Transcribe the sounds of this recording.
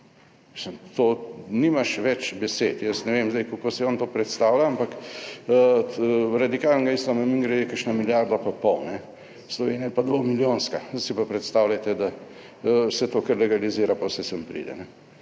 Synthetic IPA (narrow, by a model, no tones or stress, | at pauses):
ismt̪oːnimaʃʋɛt͡ʃbɛset̪jəsnɛʋemzd̪ɛjkolkoːsiɔnt̪oːpɾɛt̪st̪aːwlʲaampak | ɾad̪ikaːlnɡaislamamiŋɡɾajɛkəʃnamiljaɾd̪apapɔwnɛ | slɔʋeːniajɛpad̪ʋomiljõːnskasipapɾɛt̪st̪awlʲat̪ɛd̪a | sɛt̪okəɾlɛɡaliziːɾapawsɛsəmpɾḭd̪ɛ̰nɛ